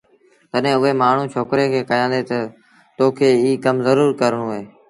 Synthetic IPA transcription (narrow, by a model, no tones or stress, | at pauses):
t̪əɗɦẽːʊɦeːmaːɳ̤ũːt͡ʃʰoːkɾeːkʰeːkəjãːnd̪eːt̪ə | t̪oːkʰeːiːkəmzəɾuːɾkəɾɳ̃ũːɦeː